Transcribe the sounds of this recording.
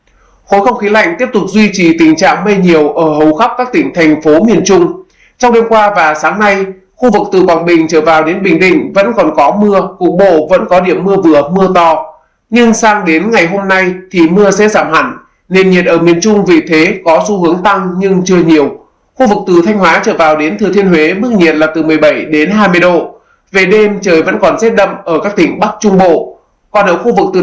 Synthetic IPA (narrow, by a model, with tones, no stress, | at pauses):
xo˨˦jxə˧wŋ͡mxi˨˦la̰˧˨jŋ̟t̪i˦˥əp̚t̪ʊ˨˩k͡p̚zwi˧t͡ɕi˨˩t̪ï˨˩ŋ̟t͡ɕa̰ː˧˨ŋmə˧jɲi˨˩əwʔəː˧˩hə˨˩wxa˦˥p̚kaː˦˥k̚t̪ï˧˩ŋ̟t̪ʰa˨˩ŋ̟fo˨˦mi˨˩ənt͡ɕʊ˧ŋ͡m | t͡ɕɔ˧wŋ͡mɗe˧mkwaː˧vaː˨˩saː˨˦ŋna˧j | xu˧vɨ˨˩k̚t̪ɨ̰˨˩kwaː˨˩nɓï˨˩ŋ̟t͡ɕəː˧˩vaː˨˩wɗe˨˦nɓï˨˩ŋ̟ɗḭ˧˨ŋ̟və̰˧˥nkɔ˨˩nkɔ˨˦mɨ˧əku˨˩ək̚ɓo̰˧˨və̰˧˥nkɔ˨˦ɗi˧˩əmːɨ˧əvɨ˨˩əmɨ˧ət̪ɔ˧˩ | ɲɨ˧ŋsaː˧ŋɗe˨˦nŋa˨˩jɦo˧mna˧jt̪ʰi˨˩mɨ˧əsɛ̰˧˥zaː˧˩mha˧˩jŋ̟ | ne˧˩nɲi˨˩ət̚ʔəː˧˩mi˨˩ənt͡ɕʊ˧ŋ͡mvi˨˩t̪ʰe˨˦kɔ˨˦su˧ɦɨ˨˦əŋt̪a˧ŋɲɨ˧ŋt͡ɕɨ˧əɲi˨˩əw | xu˧vɨ˨˩k̚t̪ɨ˨˩t̪ʰa˧jŋ̟hwaː˨˦t͡ɕəː˧˩vaː˨˩wɗe˨˦nt̪ʰɨ˨˩t̪ʰi˧ənhwe˨˦mɨ˦˥k̚ɲi˨˩ət̚laː˨˩t̪ɨ˨˩mɨ˨˩əjɓə˧˩jɗe˨˦nɦaː˧jmɨ˧əjɗo̰˧˨ | ve˨˩ɗe˧mt͡ɕəː˨˩jvə̰˧˥nkɔ˨˩nze˦˥t̚ɗə̰˧˨mʔəː˧˩kaː˦˥k̚t̪ï˧˩ŋ̟ɓa˦˥k̚t͡ɕʊ˧ŋ͡mɓo̰˧˨ | kɔ˨˩nʔəː˧˩xu˧vɨ˨˩k̚t̪ɨ˨˩